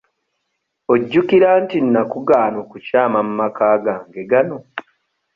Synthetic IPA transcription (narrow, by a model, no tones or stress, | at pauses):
oɟːukiɾaːntinːakuɡaːnokucaːmamumakaːɡaːŋɡe̞ɡano̞